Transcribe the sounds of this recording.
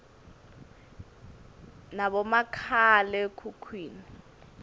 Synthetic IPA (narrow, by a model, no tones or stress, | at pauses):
naβɔmakʰalɛkʰukʰwiːni